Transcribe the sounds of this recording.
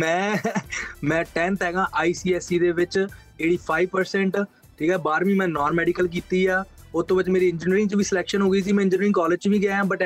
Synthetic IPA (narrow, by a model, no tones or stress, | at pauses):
mɛ̃ː | mɛ̃ːʈɛ̃ːnt̪ɦɛːɡãːʔaːiːsiːɛːsiːd̪eːʋɪt͡ʃ | eːɽiːpʰaːiʋpəɾsɛ̃ːɳʈ | ʈʰiːkɛːbaːɾʋĩːmɛ̃ːnɔːnmɛːɖiːkəlk̬iːt̪iːaː | ʊt̪ʰːõːbɪt͡ʃmeːɾiːɪ̃ɲd͡ʒniɾɪ̃ŋt͡ʃʋiːsɪlɛːkʃənɦoːɡiːsiːmɛ̃ːɪ̃ɲd͡ʒənɾɪ̃ŋɡkɔːləd͡ʒt͡ʃʋiːɡaãːbəʈ